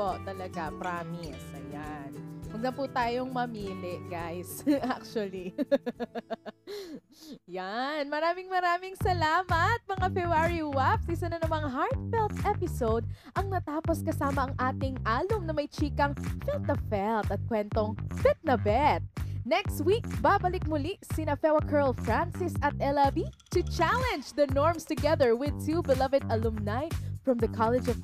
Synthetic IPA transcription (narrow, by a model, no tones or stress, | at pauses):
pot̪ɐlɐɡapɾaːmɪsʔɐ̰jankɐnlɐnput̪aːjoŋmɐmiːlɪʔɡajsʔak̚t͡ʃwɐli | janmɐɾaːmɪŋmɐɾaːmɪŋsɐlaːmɐt̪̚mɐŋafɛbaɹiwapsʔɪsɐnɐnɐmɐŋɦaɹt̪̚fɛlt̪ʔɛpɪsowd̪̚ʔɐŋnɐt̪aːposkɐsaːmɐʔɐŋʔaːt̪ɪŋʔaːlʊmnɐmɐjt͡ʃiːkɐŋfɛlt̪̚nɐfɛlt̪ɐt̪̚kwɛnt̪oŋbɛt̪̚nɐbɛt̪̚nɛkst̪wik̚babɐlɪk̚mʊlisɪnɐfɛwɐkʰɛɹlfɹansɪsɐt̪̚ɛlɐbit̪ʊt͡ʃalɛ̃nd͡ʒd̪ɐnoɔɹmst̪ʊɡɛðəɹwɪd̪̚t̪ʰubɪlɐvɪd̪ɐlumnajfɹɐ̃mðɐkʰalɛd͡ʒɔv